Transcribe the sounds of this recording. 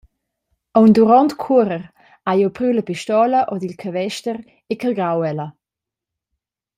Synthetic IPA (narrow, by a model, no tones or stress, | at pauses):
ɔwnd̪uɾɔnt̪kʰuɾəʁ | ajowpɾywləpiʃt̪ɔləʔɔd̪ilkʰavɛʃtəʁ | ekəlɡɾawɛlə